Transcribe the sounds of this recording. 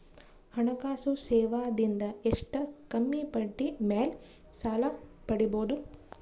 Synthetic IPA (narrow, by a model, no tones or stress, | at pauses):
hɐɳɐkaːsusɛːʋaːd̪ind̪ɐeʂʈɐkɐmːipɐʈːimeːl | saːlɐpɐɽiboːd̪u